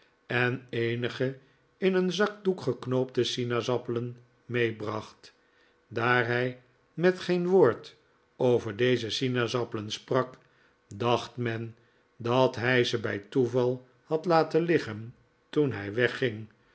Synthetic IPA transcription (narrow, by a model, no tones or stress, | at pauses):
ɛneɪnəχə | ɪnənzɑk̚dukχəknoʊp̚dəsinazɑpələn | mejbrɑχt | daːɹɦɛj | mɛtχejnʋoːɹt | owvəɹdejzəsinazɑpələnsprɑk | dɑχtmɛn | dɑtɦɛjzəbɛjtuvɑlˠ | hɑtlaːtəlɪχən | tunɦɛjʋɛχɪŋ